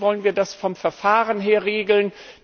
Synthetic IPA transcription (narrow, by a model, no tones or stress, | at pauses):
vɔlənviːɐdasfɔmfɛɐfaːʁənɦeːɐʁeːɡl̩n